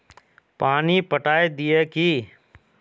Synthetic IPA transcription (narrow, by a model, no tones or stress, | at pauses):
paːnipəʈaːed̪ijeki